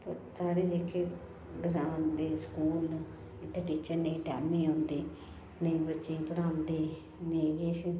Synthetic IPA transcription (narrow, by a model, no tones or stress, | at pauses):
pɐɾsaːɽeːd͡ʒeːkʰːe | ɡɾãːnd̪eːskuːl | ɪt̪ʰːeʈiːt͡ʃəɾnẽʈɛːmĩːõːnd̪eː | neĩbətːt͡ʃepəɽãːnd̪eː | neːɡeːʃən